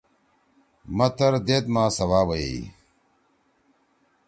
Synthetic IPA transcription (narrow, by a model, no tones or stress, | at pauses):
mɐt̪ɐɾd̪eːt̪mãːsɐwaːwɐḭ